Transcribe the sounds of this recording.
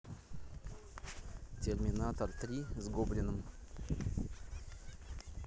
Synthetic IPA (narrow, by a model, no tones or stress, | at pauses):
tʲerʲmʲinat̪ort̪rʲizɡoblʲɪnəm